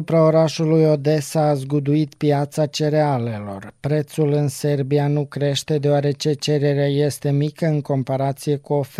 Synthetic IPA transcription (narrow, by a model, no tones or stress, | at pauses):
upɾao̞ɾaʃulujo̞d̪e̞sazɡud̪uit̪pjat̪sat͡ʃe̞ɾeale̞lo̞rpɾe̞t̪sulɨnse̞rbianukɾe̞ʃt̪e̞d̪e̞oaɾe̞t͡ʃe̞t͡ʃe̞ɾe̞ɾeaje̞st̪e̞mikəɨŋko̞mpaɾat̪sije̞kuof